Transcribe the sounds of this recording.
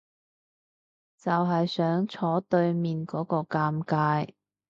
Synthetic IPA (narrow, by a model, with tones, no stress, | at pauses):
t͡sɐ˨wɦɐ˨jsœː˨˥ŋt͡sʰɔː˨˥t̪ɵ˧ɥmiː˨nkɔː˨˥kɔː˧kaː˧mkaː˧j